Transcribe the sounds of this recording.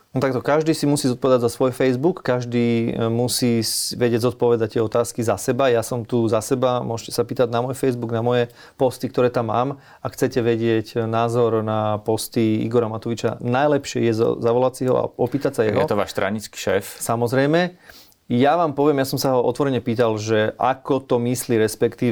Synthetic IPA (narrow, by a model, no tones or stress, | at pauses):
nɔt̪akt̪ɔkaʒd̪iːsimusiːzɔt̪̚pɔʋɛd̪aɟzasʋɔjfɛjzbukːaʒd̪iːmusiːsʋɛɟɪɛɟzɔt̪̚pɔʋɛd̪ac̚t̪ɪɛɔt̪aːskizasɛbajasɔmt̪uzasɛbamʊɔʃcɛsapiːt̪aɟnamɔjfɛjzbuɡnamɔjɛ | pɔst̪ik̚t̪ɔɾɛːt̪amːaːm | axt͡sɛcɛʋɛɟɪɛcnaːzɔɾnapɔst̪iḭɡɔɾamat̪ɔʋit͡ʃa̰najlɛpʃɪɛ̰jɛ̰zaʋɔlasiɦɔ̰a̰ɔpiːt̪acsajɛ̰ɦɔɛt̪ɔʋa̰ːʃst̪ɾa̰ɲit͡ski̥ʃɛːfsamɔzɾɛjmɛ | jaʋaːmpɔʋɪɛmjasɔmsaɦɔʔɔ̰t̪ʋɔɾɛɲɛpiːt̪alʒɛʔa̰kɔt̪ɔmisliːɾɛspɛkt̪iː